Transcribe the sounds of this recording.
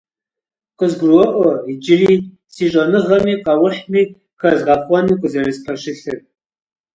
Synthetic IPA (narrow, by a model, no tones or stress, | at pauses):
qəzɡʷruwɐʔʷɔid͡ʒɪliː | siɕʼɐnɨʁɐmiːqɑwʊħmiː | kʰɐzʁɐχʷɔnɨkʷʼʊzɐɾɨzpʰɐɕɪɬɨr